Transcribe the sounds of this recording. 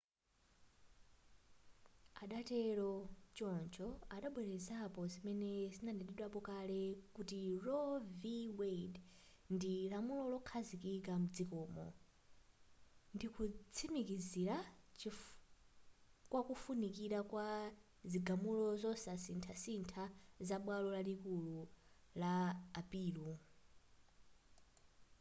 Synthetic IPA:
aɗatɛɾɔt͡ʃɔnt͡ʃʰɔaɗaɓwɛɾɛzapɔzimɛnɛzinandɛdiɗwapɔkalɛkutirɔviwed | ndilamulɔlɔkʰazikikamud͡zikɔːmɔ̰ | ndikʰut͡sʰimikiziɾat͡ʃi | kwakufunikiɾakwa | ziɡamulɔzɔsasintʰasintʰazaɓwalɔlalikulu | laːpiːlu

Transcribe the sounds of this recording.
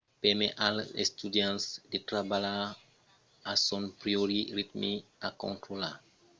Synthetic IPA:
pɛmɛʔalḛst̪udjãnsdetɾabala | asɔnpɾioɾiɾit̪miakɔ̰̃ntɾola

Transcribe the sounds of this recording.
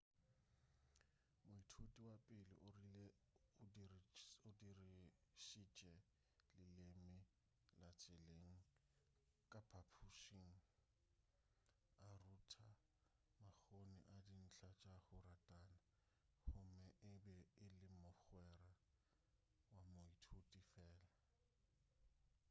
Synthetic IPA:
mʊitʰutʼiwapʼɪlɪ̰ʔʊrilɛ | ʊdirʊdirɪʃit͡ʃʼɛ | lɪlɪmɪ | lat͡sʼɪleŋ̩ | kʼapʰapʰuʃiŋ̩ | arutʰa | mak͡xonɪ̰ʔadin̩t͡ɬʰat͡ʃʼahʊratʼana | hʊmɛʔɪbɛɪlɪmʊχwɛra | wamʊitʰotʼifɛːla

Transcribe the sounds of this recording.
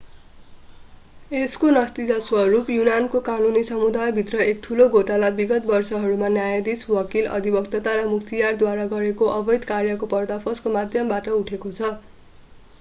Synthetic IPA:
eskonʌst̪id͡zaswʌrupjunankokanunisʌmud̪ajbʱit̪rʌek̚t̪ʰuloɡʱoʈalabiɡʌt̪̚bʌrsʌɦʌɾumanjajd̪iswʌkilʌ̰d̪ʱibʌkt̪ʌt̪aɾʌmuk̚t̪ijard̪waɾaɡʌɾekoʔʌbʌjd̪karjʌkopʌrd̪apʰʌskomad̪ʱjʌmbaʈʌuʈʰekot͡sʰʌ

